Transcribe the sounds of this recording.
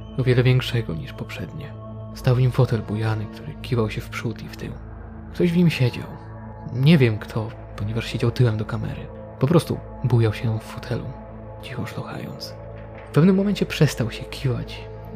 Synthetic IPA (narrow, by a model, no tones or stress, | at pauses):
ɔvʲjɛlɛvʲjɛŋkʂɛɡɔɲiʂpɔpʂɛd̪ɲɛ | st̪awvɲimfɔt̪ɛlbujanɘkt̪ʰuɾɘ̰kʲivawɕɛfpʂut̪ift̪ʰɘ̰m | kt̪ɔʑvɲimɕɛd͡ʑa̰w | ɲɛvʲjɛmkt̪ʰɔ | pɔɲɛvaʂɕed͡ʑawt̪ɘwɛmd̪ɔkamɛ̰ɾɨ̰ | pɔpɾɔst̪ṵ | bujawɕɛj̪ɔ̃mfːɔt̪ʰɛlṵ | t͡ɕixɔʂluxa̰jɔ̰nt̪s | fpɛvnɘmːɔmɛɲʲt͡ɕɛpʂɛst̪awɕɛkʲʰivat͡ɕ